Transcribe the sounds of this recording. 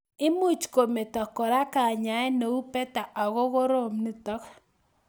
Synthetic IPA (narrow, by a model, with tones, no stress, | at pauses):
ɪ˦mu˦˨t͡ʃko˨me˨tɔ˨kːɔ˨ɾa˦ka˨ɲa˨˦ɛ˦no˨u˦pɛ˦ta˨ʔa˨ɣo˦ɣo˦ɾo˦˨mni˦tɔ˦k